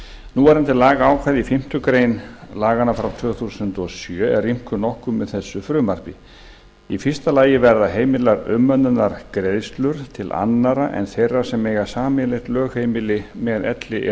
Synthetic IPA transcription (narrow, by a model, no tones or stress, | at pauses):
nuvaɾɛnt̪ɪlaːɣaːwkʰvaːðifɪm̥t̪ʏkɾeːjnlaːɣanafɾawt̪ʰvœːθusʏnt̪ɔsjœːɛðrːim̥kʏnɔhkʏmːɛðθɛsːʏfɾʏːmar̥pɪ | ifɪst̪alaːjɪvɛɾðaɦeːjmɪlaɾʏmːœnːʏnaɾ̥kɾeðst̪lʏɾ̥t̪ʰɪlʔa̰nːaɾaʔɛ̰nθejrːḁsɛmeːjɣḁsaːmɪlɪht̪lœːɣheːjmɪlɪmɛðɛ̰t̪lɪʔɛ